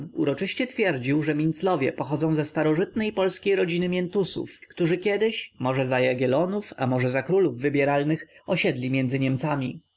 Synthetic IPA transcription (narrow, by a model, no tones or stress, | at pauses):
ṵɾɔt͡ʂɘɕt͡ɕɛt̪fʲjɛɾd͡ʑiwʐɛmʲint̪slɔvʲjɛ̰pɔxɔd̪zɔ̃w̃zɛst̪aɾɔʐɘt̪nɛjpɔlskʲejɾɔd͡ʑinɘmʲjɛnt̪usṵfkt̪uʐɘkʲɛd̪ɘɕmɔʐɛzajaɡʲɛlɔnufamɔʐɛzakɾuluvːɘbʲjɛɾalnɘxɔɕɛd̪lʲimʲjɛnd̪zɘɲɛmt̪samʲi